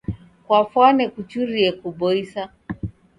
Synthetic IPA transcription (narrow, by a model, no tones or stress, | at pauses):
kwafwanɛkut͡ʃuɾiɛkubɔisa